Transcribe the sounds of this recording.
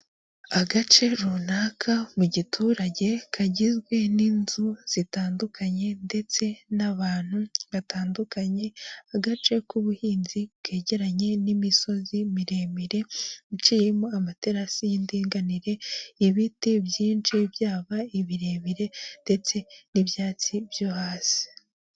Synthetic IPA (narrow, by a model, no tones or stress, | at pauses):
aɡat͡ʃe̞ɾunaːkʰamuɟitʰuːɾaɟe̞kʰaɟizɡwe̞ninzuz̥itaːndukʰaɲe̞nde̞t͡se̞naβaːn̥huβataːndukaɲe̞aɡat͡ʃe̞kuβuhiːnzibɡe̞ːɟe̞ɾaɲe̞nimiso̞zimiɾe̞ːmiɾe̞ut͡ʃijemoamate̞ɾasijindiːŋɡaniɾe̞iβitebjiːnt͡ʃibjaːβaiβiɾe̞ːmiɾe̞nde̞t͡se̞niβjaːt͡sibjohaːsi̥